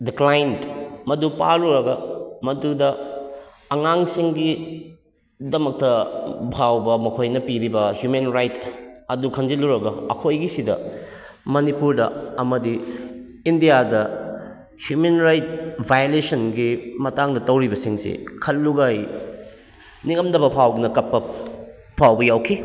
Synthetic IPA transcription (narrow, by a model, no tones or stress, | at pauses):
diklajntmɐdupa̰ɾuɾɐɡɐmɐdudɐ | ɐŋaŋsiŋɡi | dɐmɐk̚tɐbʱawbɐmɐkʰojnɐpiɾibɐhjumenɾajtɐdukʰɐnd͡ʒiluɾɐɡɐɐ̰kʰojɡisidɐ | mɐnipuɾdɐɐmɐdiː | ndijadɐ | hjumenɾajt̚bʱajolesɐnɡimɐtaŋdɐtɐwɾibɐsiŋsḭkʰɐlːuɡaj | niŋɐmdɐbɐpʰawdunɐkɐpːɐ | pʰawbɐjawkʰi